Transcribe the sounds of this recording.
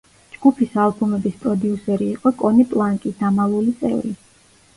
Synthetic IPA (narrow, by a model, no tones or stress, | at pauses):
d͡ʒɡ̥upʰisalˠbumɛbispʼɾɔd̪iusɛɾiːqʼɔkʼɔnipʼlˠaŋkʼid̪amalˠulit̪sʼɛ̰vɾi